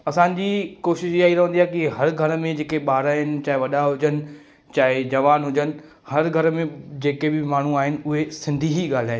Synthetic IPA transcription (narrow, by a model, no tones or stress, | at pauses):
ɐsãːɲd͡ʑikoːʃɪʃaːɦiɾɐɦə̃nd̪iaːkiɦɐɾɡʱɐɾmẽd͡ʑeːkeɓaːɾaːɦɪnɪ̆t͡ɕaːɪʋɐɗaɦʊd͡ʑənɪ̆ | t͡ɕaːɦɪd͡ʑɐʋaːnɦʊd͡ʑənɪ̆ | hɐɾɡʱɐɾmẽd͡ʑeːkebɪmaːɳ̤uaːɦɪnɪ̆ʊɦesɪ̃nd̪ʱiɦiɠaːl̤aːɦɪ̃n